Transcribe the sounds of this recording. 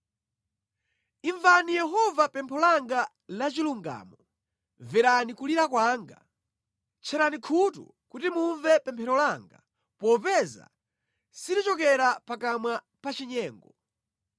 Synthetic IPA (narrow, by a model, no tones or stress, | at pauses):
iɱvanijɛɦɔvapɛmpʰɔlaŋɡa | lat͡ʃiluŋɡa̰ːmɔ | vɛɾanikuliɾakwaːŋɡa̰ | t͡ʃʰɛɾanikʰutṵ | kutimuɱvɛpɛmpʰɛɾɔlaŋɡa | pɔpɛza̰ | sidit͡ʃɔkɛɾapakamwa | pat͡ʃiɲɛːŋɡɔ